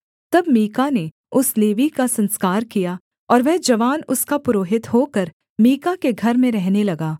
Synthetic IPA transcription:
t̪ɐbmiːkane | ʊsleːʋikasɐ̃nskaːɾkija | ɔːɾʋɛɦd͡ʒɐʋaːnʊskapʊɾoːɦɪt̪hoːkɐɾ | miːkakeɡʱɐɾmẽɾɛɦnelɐɡaː

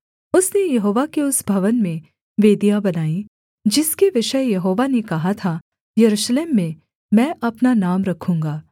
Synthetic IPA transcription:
ʊsnejɐɦoːʋakeʊsbʱɐʋənmẽ | ʋeːd̪ijabɐnaːi | d͡ʒɪskeʋɪʃəjɐɦoːʋanekɐɦat̪ʰa | jɐɾuʃleːmːẽ | mɛ̃ːʔɐpnanaːmɾɐkʰũːŋɡaː

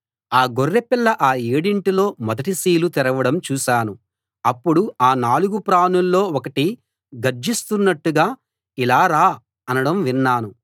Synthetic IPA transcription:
aːɡorːepilːɐʔaːeːɽiɳʈilo̞ːmɔd̪ɐʈisiːlut̪ɛɾɐʋɐɽɐmt͡ʃuːʃaːnu | ɐpːuɽuaːnaːluɡupɾaːnulːo̞ːɔkɐʈi | ɡɐɾd͡ʒist̪unːɐʈːuɡaː | ilaːɾaː | ɐnɐɽɐmʋinːaːnu

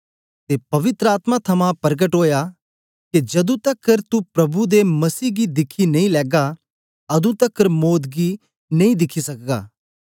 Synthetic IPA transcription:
t̪epɐʋɪt̪ɾəaːt̪mãt̪ʰɐmãpɐɾɡəʈɦoːja | ked͡ʒɐd̪ũt̪ɐkːəɾt̪upɾɐbud̪emɐsiːɡid̪ɪkʰːinɐ̃ĩlɛːɡa | ɐd̪ũt̪ɐkːəɾmoːd̪ɡi | nɐ̃ĩd̪ɪkʰisɐkɡa̰ː

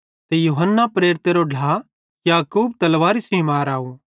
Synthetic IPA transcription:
t̪ejuːɦənːapɾeːɾt̪eɾoɖʱa | jaːkuːb̚t̪ɐlʋaːɾisimaːɾaːu

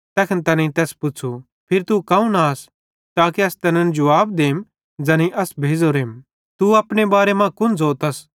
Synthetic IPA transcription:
t̪ɛːkʰənt̪ɐnɐ̃ĩt̪ɛːspʊt͡ʃʰu | pʰɪɾt̪ukɐ̃ũnaːs | t̪aːkeɐst̪ɐnɐ̃nd͡ʒʊʋaːb̚d̪eːm | d͡ʒɐniʔɐsbʱeːd͡zoɾeːm | t̪uɐpɽ̃ebaːɾemãkʊnd͡zoːt̪ɐs

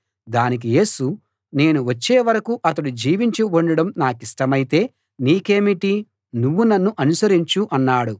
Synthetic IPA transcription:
d̪aːnik̬ije̞ːsu | ne̞ːnuʋɐt͡ʃːeːʋɐɾɐkuʔɐt̪ɐɽud͡ʒiːʋiɲt͡ʃiuɳɖɐɽɐmnaːkiʂʈɐmɐjit̪e̞ː | niːke̞ːmiʈi | nuʋːunɐnːuʔɐnusɐɾiɲt͡ʃuʔɐnːaːɽu

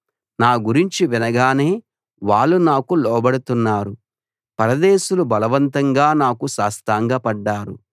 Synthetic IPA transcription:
naːɡuɾiɲt͡ʃiʋinɐɡaːne̞ː | ʋaːɭːunaːkulɔːbɐɽut̪unːaːɾu | pɐɾɐd̪eːʃulubɐlɐʋɐnt̪ɐŋɡaːnaːkuʃaːst̪aːŋɡaːpɐɖːaːɾṵ

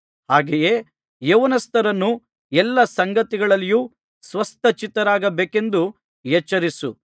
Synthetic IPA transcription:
haːɡeje | jeʋɐnɐst̪ɐɾɐnːu | ɛlːɐsɐŋɡɐt̪iɡɐɭɐlːju | sʋɐst̪ɐt͡ʃit̪ɐɾaːɡɐbeːke̞nd̪u | jɛt͡ʃːɐɾisu

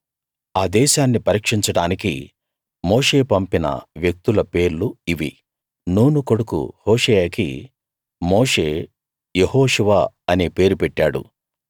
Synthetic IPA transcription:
aːd̪ɛːʃaːnːipɐɾiːkʂiɲt͡ʃɐɽaːnikḭ | moːʂe̞ːpɐmpinɐ̰ʋjek̚t̪ulɐpe̞ːɾluiʋi | nuːnuko̞ɽukṵhoːʂɛjaːkḭ | moːʂe̞ː | jehoːʂuʋa | ɐneːpe̞ːɾupɛʈːaːɽṵ

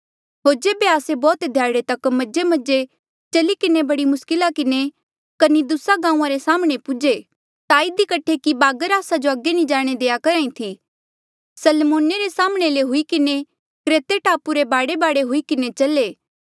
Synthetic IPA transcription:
ɦoːɾd͡ʒeːbeaːsebɔːt̪d̪ʱjaːɽet̪ɐkmɐd͡ʒemɐd͡ʒe | t͡ʃɐlikɪnebɐɽimʊskɪlakɪne | kɐnid̪ʊsaɡãːũãɾesaːmɽ̃epʊd͡ʒe | t̪aɪd̪ikɐʈʰekibaːɡəɾaːsad͡ʒoɐɡːenĩd͡ʒaːɽ̃ed̪eːakɐɾãːĩt̪ʰi | sɐlmoːneɾesaːməɽ̃eleɦʊikɪne | kɾeːt̪eʈʰaːpuɾebaːɽebaːɽeɦʊikɪnet͡ʃɐleː

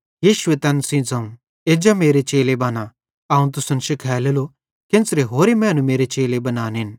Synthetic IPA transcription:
jiːʃʊʋet̪ɛːnsĩd͡zɐ̃ũ | eːd͡ʒameːɾet͡ʃeːlebaːna | ɐũt̪̬ʊsɐnʃkʰɛːlelo | kɪ̃nsɾeɦoːɾemɛ̃ːɐnũmeːɾet͡ʃeːlebɐnaːnɦɪn

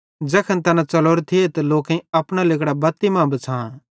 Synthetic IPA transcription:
d͡ʒɐkʰənt̪ɐnãt͡sɐloːɾt̪ʰiet̪ɐloːkẽĩɐpɽ̃alɪkɽabɐt̪ːimãːbɐt͡sʰãː

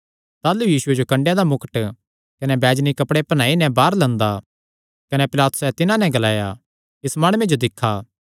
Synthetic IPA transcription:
t̪aːlujiːsʊed͡ʒokɐ̃ɳɖjãd̪amʊkəʈ | kɐnɛbɛːd͡ʒnikɐpɽepɐñaːinɛ̃baːɾlɐ̃nd̪a | kɐnɛpɪlaːt̪ʊ̥sɛt̪ɪnãnɛ̃ɡɐlaːja̰ | ɪsmaːɽ̃mẽd͡ʒod̪ɪkʰːaː

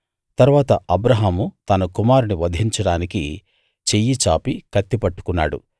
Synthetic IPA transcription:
t̪ɐɾuʋaːt̪ɐɐbɾɐɦaːmut̪ɐnɐkumaːɾuniʋɐd̪ʱiɲt͡ʃɐɽaːniki | t͡ʃejit͡ʃaːpikɐt̪ːipɐʈːu̥kunːaːɽṵ

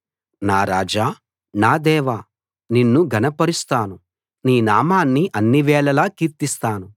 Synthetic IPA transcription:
naːɾaːd͡ʒaː | naːd̪ɛːʋa | ninːuɡʱɐnɐpɐɾist̪aːnu | niːnaːmaːnːiʔɐnːiʋɛːɭɐlaːkiːɾt̪ist̪aːnu

